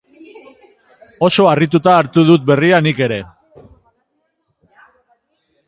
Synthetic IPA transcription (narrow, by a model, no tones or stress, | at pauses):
o̞so̞arit̪ut̪aːɾt̪uðut̪̚be̞rianike̞ɾe̞